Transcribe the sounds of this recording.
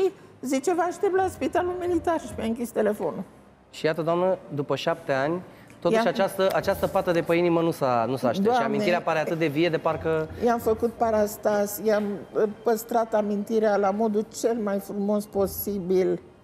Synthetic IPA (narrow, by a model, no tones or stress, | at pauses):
ʃizit͡ʃe̞vəaʃt̪ep̚t̪laspit̪alulmilit̪arʃimjaɨŋkʲist̪e̞le̞fo̞nul | ʃijat̪əd̪oamnəd̪upəʃap̚t̪eanʲ | t̪ot̪ʃat͡ʃast̪əʔat͡ʃast̪əpat̪əd̪e̞pəinimənusanusaːʃtd̪eoaaʃiamineiɾeapaɾeat̪ɨt̪̚d̪evije̞d̪e̞parkəjeamfəkut̪̚paɾast̪asjeampəst̪ɾat̪amint̪iɾealamo̞d̪ult͡ʃe̞lmajfɾumo̞spo̞sibil